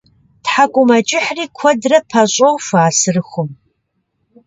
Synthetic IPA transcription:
tħakʷʼʊmɐt͡ʃʼɪħriːkʷʰɔdrɐpʰɐɕʼowfaːsɨrɨxʷʊm

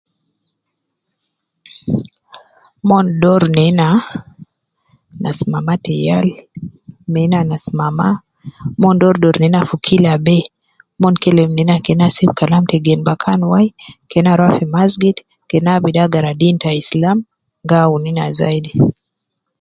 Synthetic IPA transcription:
mɔndɔɾnɛna | na̰simamatɛjal | mɛnanasimama | mɔndɔɾdɔɾnɛnafukʰilabɛ | mɔnkɛlɛmnɛnakɛnasibkalamtɛɡɛnbakʰanwajkɛnaɾwafimazɡit | kɛnabidaɡaɾadintaislam | ŋɡaunina̰za̰idi

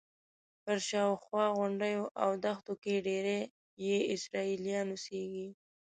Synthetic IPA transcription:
pəɾʃɑwxwɑɣʊɳɖəjoʔawd̪axt̪okeɖeɾe | jeɪsɾɑilijɑnuseɡi

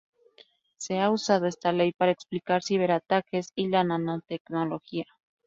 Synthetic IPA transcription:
seausað̞oe̞st̪ale̞jpaɾaeksplikaɾsiβ̞e̞ɾat̪ake̞silanãnot̪e̞kno̞lo̞xia

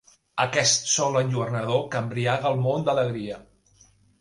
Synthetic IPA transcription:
əkɛst̪sɔlənʲʒuərnəðokəmbɾiaɣəlˠmond̪ələɣɾiə

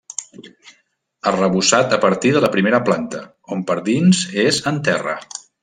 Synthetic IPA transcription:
əlˠrəβusat̪əpəɾt̪iðələpɾimeɾəplant̪ə̰ | ompəɾðinzezənt̪ɛrə̰

